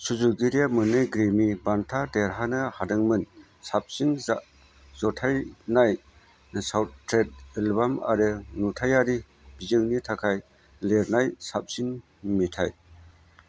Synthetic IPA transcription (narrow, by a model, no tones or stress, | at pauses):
suzuɡiɾijamɯnɯjɡɾimibantʰadeɾɦanɯhadɯŋmɯn | sap̚sinzaʔ | z̥ɔtʰajnaj | sawt̚tɾet̚elbama̰ɾɯnutʰajaɾi | b̥izɯŋnitʰakʰaj | leɾnajsap̚sin | mitʰaj